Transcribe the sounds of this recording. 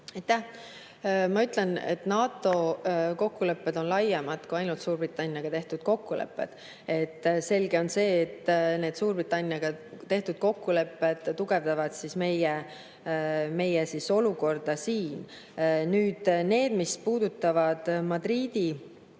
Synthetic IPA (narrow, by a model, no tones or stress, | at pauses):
ɑjt̪ːæh | mɑyt̪ˑlɛnḛt̪nɑːt̪ːˑo̞ko̞kːule̞pːe̞d̪o̞nlɑjːɑmɑd̪̥kujɑjnult̪suːɾrbrit̪ːˑɑnʲjɑɡ̥ɑt̪e̞ht̪ud̪̥̚ko̞kˑːulḛpːˑe̞̰d̪̥ | e̞t̪ːse̞lɡ̥e̞o̞nse̞ːt̪ːne̞ːd̪suːɾbrit̪ːˑɑnʲːjɑɡ̥ɑt̪e̞ht̪ud̪̚ko̞kːule̞pːe̞d̪̥t̪ːuɡ̥e̞vd̪ɑvɑd̪̥sisme̞je | me̞jesiso̞luko̞rd̪̥ɑsiːn | nyːd̪̥ne̞ːd̪̥mispuːd̪̥ut̪ˑːɑvɑd̪̥mɑd̪riːd̪̥i